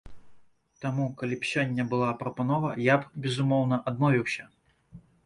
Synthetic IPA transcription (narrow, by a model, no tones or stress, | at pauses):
t̪amukalʲipɕʲanʲːɐbɨlˠapɾɐpanɔvɐjabbʲɛzumɔwnɐʔad̪mɔvʲiwsʲɐ